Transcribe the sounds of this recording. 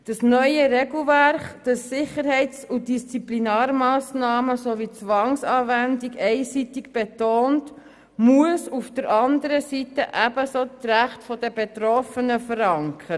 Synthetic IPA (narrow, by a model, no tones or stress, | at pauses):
d̥ɑsnœʏəɾɛɡl̩ˠvæɾχd̥ɑsːɪχəɾhɛɪt͡sʊd̥ist͡siplinæːɾmɑːsnɑːməsoʋit͡sʋɑŋsɑːvændiɡɛɪsitɪkb̥etoːnt | muəsufd̥əɾʔɑnd̪əɾəsitəʔæb̥əsot̪ræχtfɔd̥əbet̪ɾɔfənəfəɾɑŋkʰə